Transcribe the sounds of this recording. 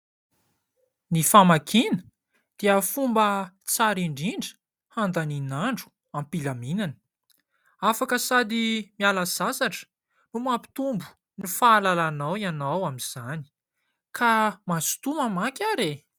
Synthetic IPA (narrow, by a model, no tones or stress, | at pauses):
nifamakʰinə̥ | d̪̥iəfumbə | t͡saɾiɳɖ͡ʐiɳɖ͡ʐə̥ | hand̪aninaɳɖ͡ʐu̥ | ampilaminanə̥ | afakəsad̪imialaz̥asaʈ͡ʂə̥ | numapi̥t̪umbu̥ | nifalalanawianawamiz̥ani̥ | kamasu̥t̪umamakʲaɾe